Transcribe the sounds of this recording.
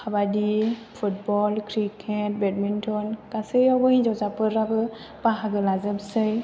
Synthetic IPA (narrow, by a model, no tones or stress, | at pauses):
xʰabadipʰutbɔlkɾikʰet̚bɛt̚mintʰɔnkasejɔbɯɦĩzɔzapɯɾabɯ | paɦaɡɯlazɯbsɯj